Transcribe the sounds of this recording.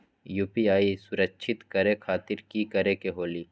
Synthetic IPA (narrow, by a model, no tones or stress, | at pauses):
juːpiaːisʊɾəkʃʰɪt̪kəɾekʰaːt̪ɪɾkikɐɾekeɦoːliː